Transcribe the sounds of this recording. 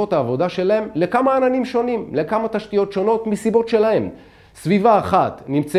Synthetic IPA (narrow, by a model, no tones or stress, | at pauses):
o̞t̪aːvo̞d̪aʃe̞lae̞mle̞kamaːnanimʃo̞nimle̞kamat̪aʃt̪ijo̞tʃo̞no̞t̪misibo̞tʃe̞lahe̞m | svivaːχat̪nimt͡se